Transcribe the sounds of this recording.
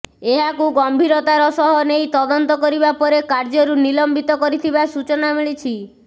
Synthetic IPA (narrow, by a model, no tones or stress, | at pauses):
eɦakuɡɔmbʱiɾɔt̪aɾɔsɔɦɔnejt̪ɔd̪ɔnt̪ɔkɔɾibapɔɾekaɾd͡ʒɔɾunilɔmbit̪ɔkɔɾit̪ʰibasut͡ʃɔnamiɭit͡ʃʰi